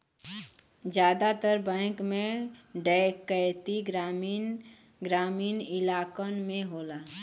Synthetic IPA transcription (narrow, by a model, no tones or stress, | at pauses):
d͡ʒjaːd̪at̪əɾbɛ̃ːkmẽɖakəjt̪iɡɾamin | ɡɾaːmiːnɪlaːkənmẽɦoːlaː